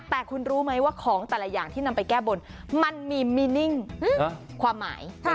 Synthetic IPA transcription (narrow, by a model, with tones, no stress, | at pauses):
t̪ɛː˨˩kʰu˧nɾuː˦˥ma˦˥jwaː˥˩kʰɔː˩˦ŋt̪ɛː˨˩lɛ˧˩jaː˨˩ŋt̪ʰiː˥˩na˧mpa˧jkɛː˥˩bo˧n | ma˧nmiː˧miː˧ni˥˩ŋ˥˧ | kʰwaː˧mːa̰ː˩˦jʰ